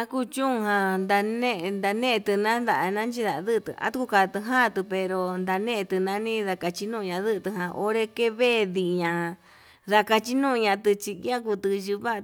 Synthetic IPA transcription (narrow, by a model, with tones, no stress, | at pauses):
ã˦ku˦˧t͡ʃũ˦˧ɦã˧nd̪a˧nẽ˦˧nd̪a˧nẽ˦˧t̪ɨ˧nã˦nd̪a˧ʔa˧nã˦nt͡ʃi˦ða˨˧ðɨ˦˧t̪ɨ̰˧a̰˧˦t̪u˧ku˧ka˧t̪ɨ˧ɦã˦˧t̪ɨ˧pe˧ɾo˧nd̪a˧nẽ˦˧t̪ɨ˧nã˧nĩ˦ða˧ka˧t͡ʃi˧˦nũ˦˧ɲã˧ðɨ˦ʔt̪ɨ˧ɦã˧ʔo̰˦ɾe˧ke˦βe˦˨ði˧˨ɲã˨˧ | ða˧ka˧t͡ʃi˦nũ˦˧ɲã˧t̪ɨ˧t͡ʃi˧˦ã˦ku˧t̪ɨ˧ʒɨ˧βa˦ʔ